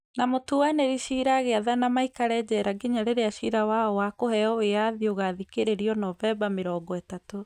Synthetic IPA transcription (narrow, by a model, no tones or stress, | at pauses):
namotuwaneɾiʃiɾaɣeaðanamaikaɾɛd͡ʑɛɾaɡeɲaɾeɾeaʃiɾawaɔwakohɛɔweaðioɣaðikeɾeɾiɔnɔvɛbameɾɔːŋɡɔɛtato